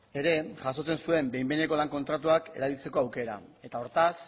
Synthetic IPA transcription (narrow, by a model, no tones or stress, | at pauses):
e̞ɾe̞ʝaso̞t͡se̞nsue̞mbe̞jmbe̞ne̞ko̞laŋko̞nt̪ɾat̪uake̞̰ɾaβilt͡se̞ko̞awke̞ɾa̰e̞t̪ao̞ɾt̪as